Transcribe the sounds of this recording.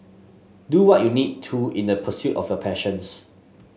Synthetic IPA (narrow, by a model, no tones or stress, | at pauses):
duwɔʔjunid̚tʰuĩndəpʰəsjutɔ̰fjɔpʰɛʃə̃ns